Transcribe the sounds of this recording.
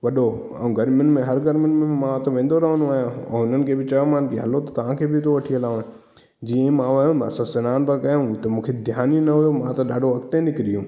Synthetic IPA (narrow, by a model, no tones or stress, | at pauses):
ʋɐɗo | a̰ːũɡɐɾmjʊnmẽɦɐɾɡɐɾmjɪnmẽmãt̪ɐʋẽːnd̪oɾɐɦə̃nũaːjãɛ̰̃ʊnənɪ̆kʰeːbɪt͡ɕɐjõmãːnkeɦɐlot̪ɐt̪ɐʋ̤ãkʰeːbɪɪt̪ʰoʋɐʈʰiɐlãː | d͡ʑiːə̃mãʋɐṵ̃sɐ̃sɐnaːnbɐkɐjũt̪ɐmũːkʰed̪ʱjaːninɐɦʊjomãt̪ɐɗaːɖʱoɐkt̪ẽnɪkɪɾijũː